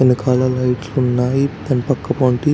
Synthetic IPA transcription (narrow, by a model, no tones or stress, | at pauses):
ɐnikʰaːlɐlɐjʈlunːaːjit̪ɐnipɐkːɐpoːɳʈi